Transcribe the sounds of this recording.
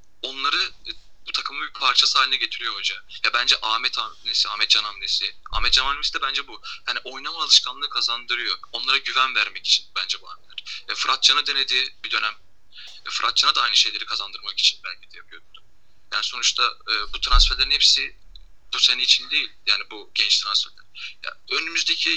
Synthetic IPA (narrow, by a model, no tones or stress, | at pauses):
o̞nlˠaɾɯ | but̪ʰakʰɯmabipʰaɾt͡ʃʰasaːlʲinɛɟe̞t̪ʰiɾijood͡ʒajabænd͡ʒɛʔaːmɛt̪ʰanesiaːmɛt̪d͡ʒanamnesɪa̰ːmɛt̪̚d͡ʒanamesid̪ɛbænd͡ʒɛbujaniʔo̞jnamaalˠɯʃkʰanlˠɯːkʰazand̪ɯɾɯjo̞o̞nlˠaɾaɟyvænvæɾmɛci̥t͡ʃʰi̥nbænd͡ʒɛbua̰mʲelʲæɾ̥ɛfɯɾat̪̚t͡ʃʰanad̪e̞ne̞d̪iːbid̪ø̞næm | ɛfɯɾʔat̪̚t͡ʃʰanad̪aajnɯʃe̞jlʲe̞ɾikʰazand̪ɯɾmaki̥t͡ʃʰi̥nbælʲcʰid̪ɛjapʰɯjo̞ɾud̪̥u̥ | ja̰ːniso̞nut͡ʃt̪ʰaɯːbut̪ʰɾansfæɾlʲeɾinhɛpsi | b̥useninit͡ʃʰind̪ejilʲjaːnibuɟ̥ɛnt͡ʃt̪ʰɾansfæɾlʲæ̰ɾja̰ønymyzd̪ecʰi